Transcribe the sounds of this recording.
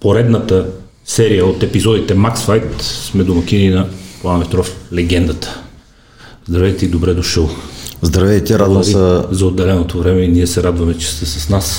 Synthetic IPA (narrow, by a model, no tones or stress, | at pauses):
poɾɛd̪nət̪ə | sɛɾijəot̪ɛpizɔd̪it̪ɛmaksfajt̪smɛd̪omɐk̟ininɐplˠanɛt̪ɾɔflɛɡɛnd̪ɐt̪ə̥ | zd̪ɾɐvɛjt̪ɛid̪obɾɛd̪oʃəlˠzd̪ɾɐvɛjt̪ɛɾad̪vəmiəzɐod̪ːɛlɛnot̪ovɾɛmɛiniɛsɛɾad̪vɐmɛt͡ʃɛ̥st̪ɛsɐsnas